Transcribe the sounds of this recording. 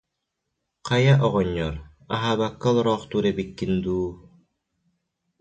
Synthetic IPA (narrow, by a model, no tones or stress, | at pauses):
qɑjaʔɔʁɔɲːɔɾ | aɦaːβakːalˠɾɔːχt̪uɾebikːind̪uː